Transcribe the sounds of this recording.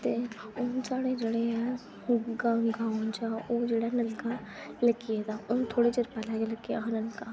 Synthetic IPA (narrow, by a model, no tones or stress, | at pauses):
t̪eːʊnsaːɽed͡ʒəɽeɦɛ̃ | ɡaɡaːʊnd͡ʒaːoːd͡ʒeːɽanəlkaləkied̪aːʊnt̪ʰoːɽet͡ʃəɾpalɛːɡeləkeanəlkaː